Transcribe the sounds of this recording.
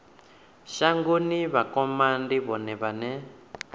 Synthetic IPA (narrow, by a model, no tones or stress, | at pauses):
ʃaŋɡuniβakɔmandiβɔnɛβanɛ